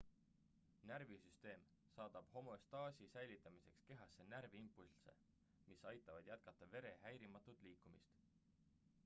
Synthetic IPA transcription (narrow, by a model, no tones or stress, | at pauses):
næɾvisyst̪e̞ːm | sɑːd̪̥ɑb̥ho̞mo̞st̪ɑːsʲisæjlit̪ːˑɑmise̞kske̞ɦɑsːe̞næɾviimpːˑulse̞̰ | misɑjt̪ːˑɑvɑd̪̥jæt̪̚kɑt̪ˑːɑve̞ɾe̞ɦæjɾimɑt̪ːˑut̪ˑliːkːˑumist̪